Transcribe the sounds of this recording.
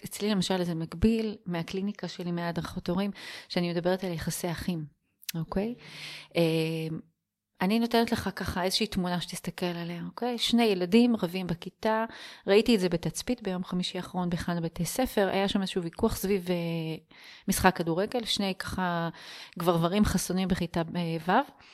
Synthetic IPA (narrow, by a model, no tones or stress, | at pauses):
et͡slilemaʃalzemaɡbilmeaklinikaʃe̞limead̪ʁaχotoʁimʃeanimed̪ɐabe̞ʁetaljeχaseaχim | oke̞jʔem | anino̞tenetle̞χakaχaezeʃiːtmunaʃet̪ist̪ake̞laleaoke̞jʃne̞jeladimʁavimbekitaʁaitietzebe̞tat͡spitbe̞jo̞mχamiʃiaχaʁo̞nbeχanbetejse̞fe̞ʁʔa̰jaʃamezeʃuuvikuaχsvive | misχakːaduʁe̞ɡe̞lʃne̞jkaχaɡvaʁvaʁimχasonimbeχitaevav